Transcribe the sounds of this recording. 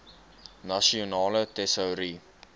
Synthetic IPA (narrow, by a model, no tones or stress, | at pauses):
nɐsionɑːlətɛsəwɾi